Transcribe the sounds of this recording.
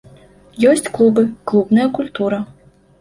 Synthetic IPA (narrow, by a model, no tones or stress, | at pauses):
jɔsʲt͡sʲklˠubɨklˠubnɐjɐkulʲt̪uɾɐ